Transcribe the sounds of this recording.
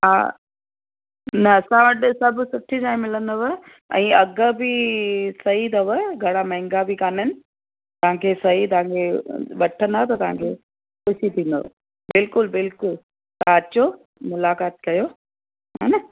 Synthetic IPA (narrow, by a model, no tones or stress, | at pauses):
ɦa̰ | nɐːsãʋɐʈsɐbsʊʈʰiʈaːĩmːɪlənd̪ɐʋə | ɛ̰̃ːɐɡəbʱisɐɦit̪ɐʋəɡʱɐɽ̃amɐ̃ɦɪ̃ŋɡabʱikaːnənɪ̆ | t̪ɐʋãkʰesɐɦit̪ɐʋãŋkʰeʋɐʈʰə̃nd̪at̪ɐt̪ɐʋ̤ãŋkʰe | kʊʃit̪ʰĩːnd̪o̰ʋ | bɪlkʊlbɪlkʊl | t̪ɐãɐt͡ɕo | mʊlaːkaːt̪̚kɐjo | ɦa̰nɐ